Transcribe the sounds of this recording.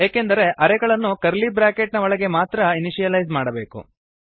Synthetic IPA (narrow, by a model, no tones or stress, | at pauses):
jeːkend̪ɐɾe̞ʔɐɾɛɡɐɭɐnːukɐɾlibɾaːkeʈnɐʋɔɭɐɡe̞maːt̪ɾɐiniʃijɐlɐjzmaːɽɐbe̞ːkṵ